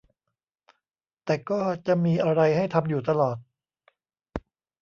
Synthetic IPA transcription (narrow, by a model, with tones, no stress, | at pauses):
t̪ɛː˨˩kɔː˥˩t͡ɕa˨˩ʔmiː˧ʔa˧ɾa˧jha˥˩jt̪ʰa˧mjuː˨˩t̪a˧lɔː˨˩t̪̚